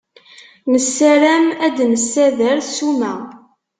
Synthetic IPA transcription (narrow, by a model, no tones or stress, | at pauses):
nəsːæɾæmæd̪nəsːæðəɾθsumæ